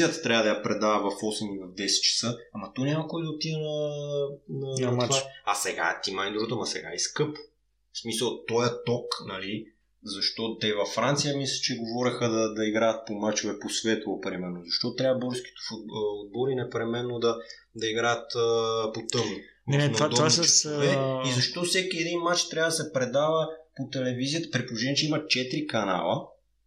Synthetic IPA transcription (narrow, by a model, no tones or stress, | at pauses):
ət̪t̪ɾʲavəd̪ɐjapɾɛd̪avɐvɐfɔsɛmivɐvd̪ɛsɛ̥t̪t͡ʃɛ̥səamɐt̪ɔnʲamɐkɔjd̪ɐot̪id̪ɛnɐ | nɐnaasɛɡa̰t̪imanid̪ɾuɡt̪əmɐsɛ̰ɡa̰ɛskɤpo̥ | smisəlˠt̪ɔjɐt̪ɔknɐli | zɐʃt̪ɔt̪ɛvɐfːɾant̪sijəmislə̥t͡ʃɛɡovɔɾʲɛxəd̪ɐd̪ɐiɡɾajɐt̪̚pomat͡ʃovɛposvɛt̪lˠpɾimɛɾnozɐʃt̪ɔt̪ɾjavəbɔɾsk̟i̥t̪ɛ̥fuud̪̚bɔlinɛpɾɛmɛnːod̪ɐ | d̪ɐiɡɾajət̪ːpot̪ɤvnʊ | nd̪it͡ʃovɛizɐʃt̪ɔfsɛkiɛd̪inmat͡ʃt̪ɾʲjavəd̪ɐsɛpɾɛd̪avəpot̪ɛlɛvizijət̪ə̥pɾipolˠoʒɛnʲɛt͡ʃɛimɐt͡ʃɛt̪ɾikɐna̰lˠə̰